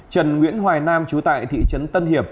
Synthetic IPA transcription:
t͡ɕə˨˩nŋwḭ˧˥ənɦwaː˨˩jnaː˧mt͡ɕu˨˦t̪a̰ː˧˨jt̪ʰḭ˧˨t͡ɕə˨˦nt̪ə˧nhi˨˩əp̚

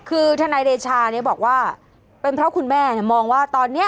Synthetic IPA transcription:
kʰɯː˧t̪ʰa˧naː˧jɾeː˧t͡ɕʰaː˧ni˦˥˩ɐbɔː˨˩k̚waː˥˩ | pe˧npʰɾɔ˦˥kʰu˧nmɛː˥˩ni˥˩ɐmɔː˧ŋwaː˥˩t̪ɔː˧nːi˦˥ɐ

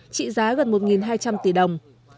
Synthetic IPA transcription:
t͡ɕḭ˧˨zaː˨˦ɣə˨˩nmo˨˩t̚ŋi˨˩nɦaː˧jt͡ɕa˧mt̪i˧˩ɗə˨˩wŋ͡m

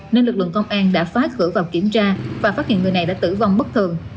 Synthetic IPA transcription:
ne˧nlɨ˨˩k̚lɨ̰˧˨ŋkə˧wŋ͡mʔaː˧nɗa̰ː˧˥faː˨˦jxɨ̰˧˩vaː˨˩wki˧˩əmt͡ɕaː˧vaː˨˩faː˦˥t̚hḭ˧˨nŋɨ˨˩jna˨˩jɗa̰ː˧˥t̪ɨ˧˩va˧wŋ͡mɓə˦˥k̚t̪ʰɨ˨˩əŋ

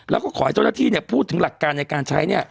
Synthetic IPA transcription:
lɛː˦˥kɔː˥˩ɔː˨˦a˦jt͡ɕa˥˩naː˥˩t̪iː˥˩ni˥˩ɐpʰuː˥˩t̪ʰːɯ˩˦ŋla˨˩kːaː˧nːa˧jkaː˧nt͡ɕʰa˦˥jni˥˩ɐ

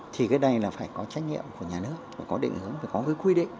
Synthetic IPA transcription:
t̪ʰi˨˩kaː˨˦jɗa˧jlaː˨˩faː˧˩jkɔ˨˦t͡ɕa˦˥jk̟̚ɲḭ˧˨əmku˧˩əɲaː˨˩nɨ˦˥ək̚a˨˩kɔ˨˦ɗḭ˧˨ŋ̟hɨ˨˦əŋvi˨˩kɔ˨˦ɣəː˨˦kwi˧ɗḭ˧˨ŋ

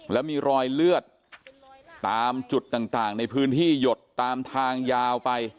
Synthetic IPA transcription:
lɛ˦˥wmiː˧ɾɔː˧jlɯ˥˩ət̪̚ː | aː˧mt͡ɕu˨˩t̪ːaː˨˩ŋt̪aː˨˩ŋna˧jpʰɯː˦˥nt̪ʰiː˥˩jo˨˩t̪ːaː˧mt̪ʰaː˧ŋjaː˧wpa˧j

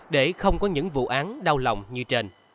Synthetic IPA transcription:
ɗe˧˩xə˧wŋ͡mkɔ˨˦ɲɨ̰˧˥ŋvṵ˧˨ʔaː˨˦nɗa˧wla̰˨wŋ͡mɲɨ˧t͡ɕe˧n

